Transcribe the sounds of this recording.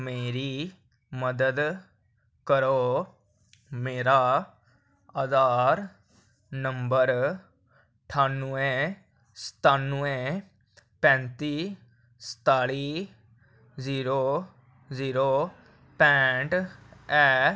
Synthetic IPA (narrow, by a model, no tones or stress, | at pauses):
meːɾiː | məd̪əd̪ | kəɾoː | meːɾaː | əzaːɾ | nəmbəɾ | ʈʰaːnuẽː | st̪aːnʊẽː | pɛ̃ːnt̪iː | sə̥t̪aːɽiː | ziːɾoː | ziːɾoː | pɛ̃ːʈɛː